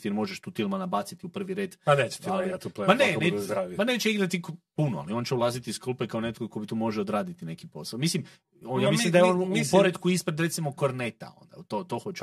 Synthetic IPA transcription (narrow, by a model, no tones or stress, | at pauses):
t̪ieɾmo̞ʒeʃt̪uːfilmanabat̪sit̪iupr̩ʋiɾe̞ːd̪anet͡ʃialat̪uplepanenezɾaʋipanet͡ʃeiɡɾat̪ikpunoa̰lio̞ːnt͡ɕeulˠazit̪isklˠpekaonet̪kokobit̪umo̞ʒeod̪ɾaːd̪it̪ine̞kipo̞saomislim | ojaːmismlimd̪ajeoːnpo̞ɾed̪kuispɾed̪ɾet̪simokoɾnet̪a̰o̞̰nd̪a̰t̪ot̪o̞xot͡ʃ